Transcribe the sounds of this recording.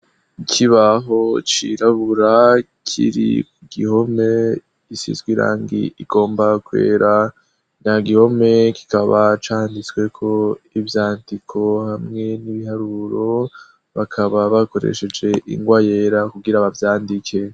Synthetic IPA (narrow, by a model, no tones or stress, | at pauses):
ikʰiβaɦo̞t͡ʃḭɾaβuɾa | kʰḭɾḭkuɡ̥iho̞me̞ | isḭzɡwiɾa̰ːŋɡḭiɡ̥o̞ːmbakwe̞̰ːɾa | ɲaɡiho̞me̞ki̥kaβat͡ʃaːndit͡swe̞kʰo̞ivjaːndikʰo̞hamŋe̞niβihaɾuɾo̞ | βakʰaβaβako̞ɾḛʃe̞d͡ʒe̞ʔḭŋɡwaje̞ɾakuɡiɾaβavjaːndikʰe̞